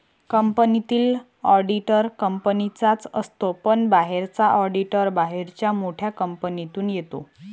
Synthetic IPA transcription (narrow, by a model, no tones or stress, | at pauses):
kəmpənit̪iːl | ɔɾɖiʈəɾkəmpənit͡sat͡səst̪opənbaɦeɾt͡saʔɔɾɖiʈəɾbaɦeɾt͡ɕjamoʈʰjakəmpənit̪uːnjet̪o̰